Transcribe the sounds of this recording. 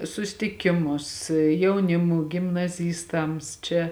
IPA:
sʊsʲtʲɪˈkʲɪmʊs jɛʊˈnʲɪmuː ɡʲɪmnɐˈzʲiːstɐms ˈt͡ʃʲɛ

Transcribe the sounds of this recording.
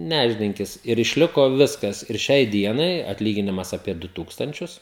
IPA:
ˈnʲæːʒʲdʲɪŋʲkʲɪs ɪr ɪʃʲˈlʲɪkoː ˈʋʲɪskɐs ɪr ˈʃʲɛɪ ˈdʲiɛnɐɪ ɐtʲˈlʲiːɡʲɪnʲɪmɐs ɐpʲiɛ ˈdʊ ˈtuːkstɐnʲt͡ʃʲʊs

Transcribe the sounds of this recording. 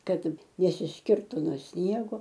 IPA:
ˈkɐt nʲɛsʲɪsʲˈkʲɪrtʊ noː ˈsʲnʲiɛɡoː

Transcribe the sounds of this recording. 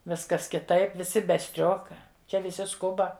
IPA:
ˈʋʲɪskɐs kʲɪˈtɐɪp ʋʲɪˈsʲɪ bʲɛ ˈsʲtʲrʲoːkɐ ˈt͡ʃʲɛ ʋʲɪˈsʲɪ ˈskʊbɐ

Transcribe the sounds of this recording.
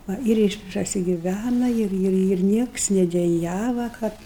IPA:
ˈʋɐ ɪr ɪʃ prɐsʲɪɡʲɪˈʋʲænɐ ˈɪr ˈɪr ɪr ˈnʲiɛks nʲɛdʲɛˈjæːʋɐ ˈkɐt

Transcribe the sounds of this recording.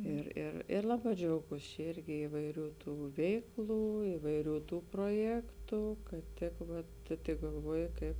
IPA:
ɪr ɪr ɪr ˈlˠɑːˌbɑː d͡ʒʲɛʊˈɡuːs t͡ʃʲɛ ˈɪrʲɡʲɪ ɪʋɐɪˈrʲuː ˈtuː ˈʋʲɛɪkˌlˠuː ɪʋɐɪˈrʲuː ˈtuː proːˈjæːktʊ kɐt ˈtʲɪk ʋɐt tʊ tʲɪk ɡɐlˠˈʋuɔjɪ ˈkɐɪp

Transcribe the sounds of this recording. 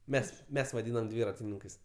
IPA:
ˈmʲɛs ˈmʲɛs ʋɐˈdʲiːnɐm ˈdʲʋʲiːrɐtʲɪnʲɪŋkɐɪs

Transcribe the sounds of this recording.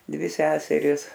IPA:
ˈdʲʋʲɪ ˈsʲæːsʲɛrʲɪs

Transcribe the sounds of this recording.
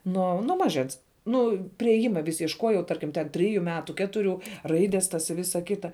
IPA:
ˈnuɔ nuɔ ˈmɑːˌʒʲɛns ˈnʊ pʲrʲɪeːˈjɪmɐ ʋʲɪs iɛʃˈkoːjɛʊ ˈtɐrʲkʲɪm tʲɛn ˈtʲrʲɪjʊ ˈmʲæːtʊ ˈkʲæːtʊrʲʊ ˈrɐɪdʲɛs tɐs ɪ ˈʋʲɪsɐ ˈkʲɪtɐ

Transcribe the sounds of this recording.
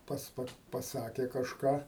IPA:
ˈpɐts ˈpɐ pɐˈsɑːkʲeː kɐʃˈkɑː

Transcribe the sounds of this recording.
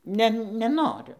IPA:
ˈnʲɛ nʲɛˈnoːrʲʊ

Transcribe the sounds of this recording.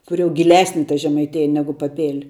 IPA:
ˈkʊr jɛʊ ɡʲɪˈlʲæːsʲnʲɪ tɐ ʒʲɛmɐɪˈtʲeːjɛ ˈnʲæːɡʊ pɐˈpʲeːlʲ

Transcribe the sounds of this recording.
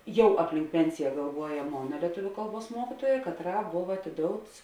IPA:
ˈjɛʊ ɐpʲˈlʲɪŋk ˈpʲɛnʲsʲɪjɛ ɡɐlˠˈʋuɔjɛ ˈmoːnɐ lʲiɛˈtʊʋʲʊ ˈkɐlˠˌbuɔs ˈmuɔkʲɪtuɔjɛ kɐtˈrɑː ˈboːw ɐtʲɪˈdoːʊts

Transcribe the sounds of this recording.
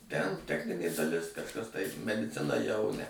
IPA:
tʲɛn ˈtʲæːxʲnʲɪnʲeː dɐˈlʲɪs kɐʃˈkɐs tɐɪ mʲɛdʲɪˈt͡sʲɪnɐ jɛʊ nʲɛ

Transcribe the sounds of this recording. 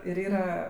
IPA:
ɪr ˈiːrɐ

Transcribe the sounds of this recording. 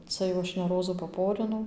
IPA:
ˈt͡sɐ jɛʊ ˈɐʃ nʲɛ ˈroːzuː pɐˈpoːrʲɪnɐʊ

